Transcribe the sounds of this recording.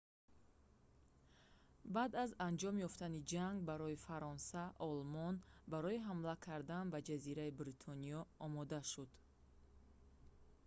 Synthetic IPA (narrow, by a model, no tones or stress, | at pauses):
bad̪azand͡ʒɔmjɔft̪anid͡ʒaŋɡbaɾɔifaɾɔnsaʔɔlmɔnbaɾɔiɦamlakʰaɾd̪anbad͡ʒaziɾaibɾit̪ʰɔniɔɔmɔd̪aʃud̪̥